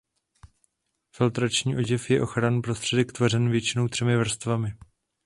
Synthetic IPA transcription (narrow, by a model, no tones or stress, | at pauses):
fɪlt̪ɾat͡ʃɲiːʔo̞ɟɪfjɛʔo̞xɾanpɾo̞st̪r̝̥ɛdɛkt̪vorɛnvjɛt͡ʃɪno̞wt̪r̝̥ɛmɪvr̩st̪vamɪ